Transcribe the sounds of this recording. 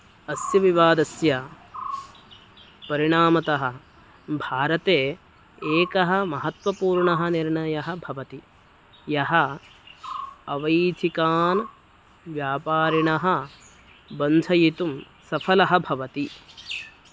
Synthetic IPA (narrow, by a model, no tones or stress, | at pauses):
ɐsjɐʋiʋaːd̪ɐsjɐ | pɐɾiɳaːmɐt̪ɐɦɐ̆ | bʱaːɾɐt̪eː | eːkɐɦɐ̆mɐɦɐt̪ʋɐpuːɾɳɐɦɐ̆niɾɳɐjɐɦɐ̆bʱɐʋɐt̪i | jɐɦɐ | ɐʋɐjt̪ʰikaːn | ʋjaːpaːɾiɳɐɦɐ̆ | bɐnd͡ʒʰʱɐjit̪um | sɐpʰɐlɐɦɐbʱɐʋɐt̪i